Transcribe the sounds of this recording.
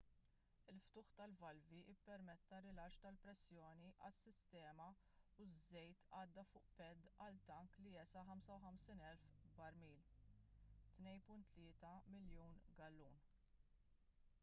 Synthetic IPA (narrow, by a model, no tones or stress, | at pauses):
ɪlft̪ʊːħt̪ɐlvɐlviʔɪpːɛɾmɛt̪ːɐɾɪlɐt͡ʃt̪ɐlpɾɛsːjɔːniʔɐsːɪst̪ɛːmɐ | uzːɛjt̪ɐːd̪ːɐfʊːʔpɛd̪ːɐlt̪ɐŋkliɛsɐħɐmsɐwħɐmsiːnɛlfbɐɾmiːl | t̪nɛjnpʊnt̪ːlɪːt̪ɐmɪljuːnɡɐlːuːn